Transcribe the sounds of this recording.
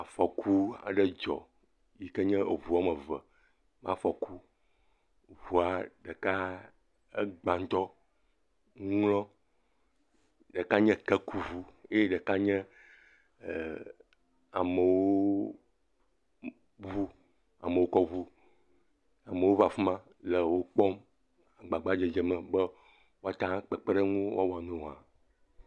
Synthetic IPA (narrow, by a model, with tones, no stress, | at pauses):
a˨fɔ˨kʰu˦a̰˨ɖɛ˦d͡ʒɔ̰˨ | ji˨kə˦ɲɛ̃˦e˨vu˨a˦mɛ̃˨və˨ | mã˦fɔ˨ku˦ | vu˨a˨ɖə˨ka˦ | e˦ɡ͡ba˨n˦t̪ɔ˦ | ŋ˦lɔ̃˦ | ɖə˨ka˦ɲɛ̃˦kɛ˦ku˦vu˦e˦je˦ɖɛ˨ka˦ɲɛ̃˦˨ | a˨mə˨wwoo˦ | vu˦ | a̰˨mə̃˨wo˦kɔ˦vu˦ | a˨mə˨wo˦va˨fu˦mã˦ | lə˨wo˦k͡pɔ˦m | a˨ɡ͡ba˨ɡ͡ba˦d͡ʒe˨d͡ʒɛ˨mɛ̃˨bə˦ | wo˦a˦t̪ã˦k͡pɛ˨k͡pe˦ɖɛ˦ŋũ˦w̰a˦wo˨a˨nũ˨a˨